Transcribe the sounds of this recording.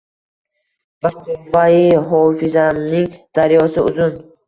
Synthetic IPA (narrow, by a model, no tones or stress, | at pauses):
baqʰuvaiɦɔfizaniŋd̪̥aɾjɔsiuzun